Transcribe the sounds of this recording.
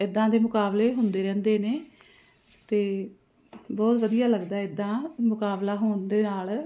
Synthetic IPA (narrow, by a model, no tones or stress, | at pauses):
ɪd̪ːãːd̪eːmʊkaːbleːɦʊnd̪eːɾɛ̃ːnd̪eːneː | t̪eː | bɔːt̪ʋəd̪ijaːləɡd̪aːɪd̪ːãːmʊkaːblaːɦoːɳd̪eːnaːl